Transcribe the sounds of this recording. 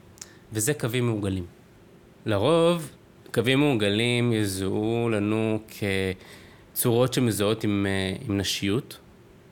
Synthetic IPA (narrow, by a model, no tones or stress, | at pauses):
vezekavimːeuɡalim | laʁo̞v | kavimːeuɡalimjazulanukʰe | t͡suʁo̞tʃemezao̞timimnaʃijut